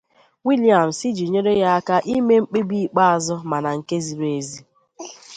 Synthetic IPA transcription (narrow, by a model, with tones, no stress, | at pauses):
wi˦li˨a˨m̩˨si˦d͡ʒi˨ɲe˦ɾe˦ja˦a˦ka˦ʔi˦me˦ŋ͡m̩˦k͡pe˦bi˦i˨k͡pa˦a˨zʊ˦ma˨na˨ŋ̩˨ke˦zi˨ɾe˨zi˦